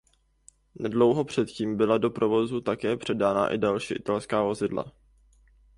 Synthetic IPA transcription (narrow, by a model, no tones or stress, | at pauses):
nɛdlo̞wɦo̞pr̝̥ɛt̪ciːmbɪlado̞pɾo̞vo̞zut̪akɛːpr̝̥ɛdaːna̰ʔɪ̰dalʃiːʔɪt̪alskaːvo̞zɪdla̰